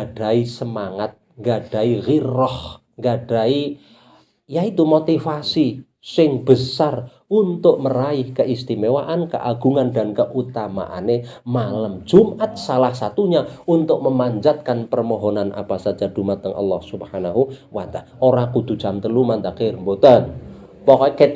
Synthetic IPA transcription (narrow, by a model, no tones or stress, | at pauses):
ɡaɖ̥aisəmaŋat̪̚ŋɡaɖ̥aiɣirɔh | ŋɡaɖ̥ai | jait̪umot̪ifasi | sɪŋb̥əsar | unt̪ʊʔ̚məraɪhkəʔist̪imewaʔankə̰ʔaɡ̥uŋandankəʔut̪ama̰ʔa̰ne | maləm̥d͡ʒ̥umʔat̪̚salahsat̪uɲaunt̪ʊk̚məmaɲd͡ʒat̪̚kanpərmɔɦonanʔa̰pasḁd͡ʒad̪̥umat̪̚ːəŋʔɑ̰lːɔhsubhanaɦuwant̪a | oɾakud̪̥ṳ̥d͡ʒ̥a̤mt̪əlumant̪akermbot̪an | pɔkɔke